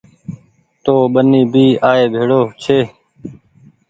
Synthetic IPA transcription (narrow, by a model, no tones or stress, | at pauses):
t̪oːɓəniːbʱiːaːeːbʱeːɽoːt͡ʃʰeː